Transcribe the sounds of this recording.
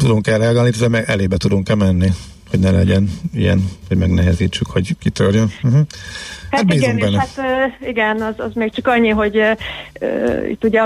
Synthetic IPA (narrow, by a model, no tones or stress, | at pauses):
t̪ud̪oŋkɛrɛɒɡaːlnit̪ozɛmɛɛleːbɛt̪ud̪oŋkɛmɛnːi | hoɟnɛlɛɟɛnijɛ̰nʋɒɟmɛɡnɛɦɛziːt͡ʃːykhoɟkit̪ørjøn̩ɦ̩hat̪̚biːzuŋɡbɛnːɛt̪ːiɡɛnɒzɒzmeːk̚t͡ʃɒkɒɲːiɦo̞ɟ | ḭt̪ːuɟɛ